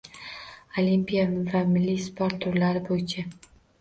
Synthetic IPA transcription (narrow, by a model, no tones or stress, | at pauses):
o̞limpijavamɪlːispʰoɾt̪ːʰʊɾlaɾɪbojɪt͡ʃʰa